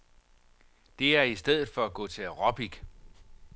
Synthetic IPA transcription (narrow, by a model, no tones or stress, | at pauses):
d̥e̝æɐisd̥eð̞̰ˠð̩ˠfɒ̽æɡ̥ɔ̰̽ːt͡sʰe̝ʁɒb̥iɡ̥